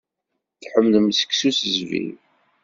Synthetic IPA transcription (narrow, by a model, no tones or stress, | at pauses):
θħəmðəmsə̥ksusəzvḭ